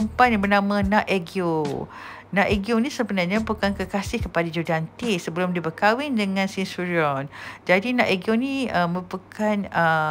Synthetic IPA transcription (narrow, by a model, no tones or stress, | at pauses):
əmpanabənãmãnãʔeɡio | nãʔeɡionĩsəbənarɲãbukankəkasɪhkəpadad͡ʒudant̪isəbəlʊmdibəkawɪndəŋãnsinsuɾiɔnd͡ʒadinãʔeɡionĩəməpəkʰanə